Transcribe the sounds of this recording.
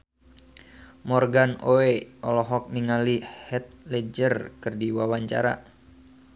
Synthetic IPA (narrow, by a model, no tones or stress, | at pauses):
mɔrɡanoeɔlɔɦɔk̚niŋalihɛt̪̚lɛd͡ʒərkɨrdiwawaɲt͡ʃa̰ɾa̰